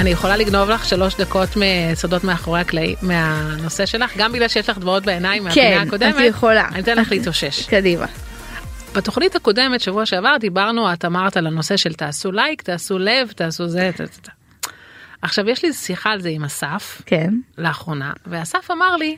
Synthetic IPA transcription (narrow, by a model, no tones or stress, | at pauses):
anijeχo̞laliɡno̞vlaχʃalo̞ʃd̪ako̞tmesodo̞tmeaχo̞ʁehaklaḭmeano̞se̞ʃe̞laχɡambiɡlalʃejeʃlaχdvaot̚beenaimːeaenaako̞damejeχola̰anit̪enleχliːtoʃe̞ʃkadima̰ | b̥eto̞χnithako̞de̞metʃavuaʃeavaʁd̪ibaʁnuat̪amaʁtalano̞se̞ʃe̞ltaːsulajktaːsule̞vtaːsuzet | aχʃavjeʃlisiχaːlzeimasafkenleaχʁo̞na̰veasafamaʁli